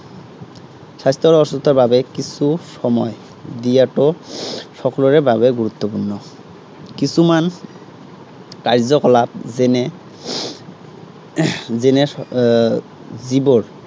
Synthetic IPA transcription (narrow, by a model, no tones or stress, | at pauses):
sast̪ʰɔɹɔsɔst̪ʰɔɹbabɛkisusɔmɔj | dijatɔsɔkɔlɔɹɛbaβɛɡuɹut̪ːɔpunːɔ | kisuman | kaɹzɔkɔlap̚zɛnɛ | zɛnɛ | zibɔɹ